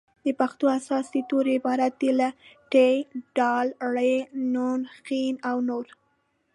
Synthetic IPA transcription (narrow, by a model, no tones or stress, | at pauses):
d̪əpaxt̪oasɑsd̪ət̪oɾɪbɑɾat̪̚d̪elaʈeɖɑlɽenonxinawnoɾ